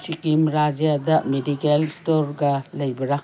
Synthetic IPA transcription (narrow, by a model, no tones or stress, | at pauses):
sikimɾad͡ʒijadɐmedikelstoɾɡɐlɐjbɐɾa